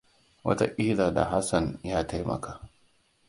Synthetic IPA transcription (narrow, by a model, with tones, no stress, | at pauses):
wɐ̰˦ta̰˦ʔʼɪ˦laː˨da̰˨ɦa˦sɐ˨njaː˦ta˦jmʔɐ̰˨kaː˦